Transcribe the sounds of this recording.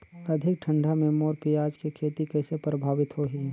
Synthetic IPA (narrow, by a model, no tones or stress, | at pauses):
ɐd̪ʱɪk̚ʈʰə̃ɳɖʱamẽmoːɾpɪjaːd͡ʒkikʰeːt̪ikɛːsepɾəbʱaːʋɪt̪ɦoːɦiː